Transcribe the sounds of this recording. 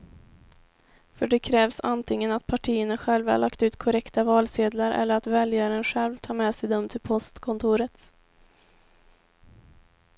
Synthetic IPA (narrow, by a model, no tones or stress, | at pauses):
fœɖɛkʰɾɛːvsant̪ʰɪŋːənat̪̚pʰaʈʰiːənaɧɛlva̰la̰kt̪ʉ̟ːt̪kʰɔɾɛkt̪avɑːlseːd̪laɾʔɛ̰lːəɾat̪vɛljaɾənɧɛlvt̪ʰɑːɾmɛsɛjd̪ɔmt̪ʰɪlpʰɔst̪kʰɔnt̪ʰuːɾət̪